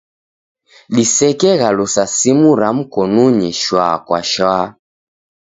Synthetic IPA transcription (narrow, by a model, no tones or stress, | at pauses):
lisɛkɛɣalusasimuɾam̩kɔnuɲiʃwaːkwa̰ʃa